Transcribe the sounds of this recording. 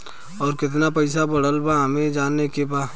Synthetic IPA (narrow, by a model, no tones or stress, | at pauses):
ɔːɾkɪt̪̬napɐɪsabɐɽ̤əlbaɦəmẽd͡ʒaːnːekebaː